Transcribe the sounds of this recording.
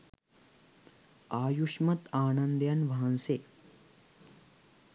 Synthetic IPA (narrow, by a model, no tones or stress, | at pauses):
aːjuʂmɐt̪aːnɐnd̪jɐnʋɐɦɐnse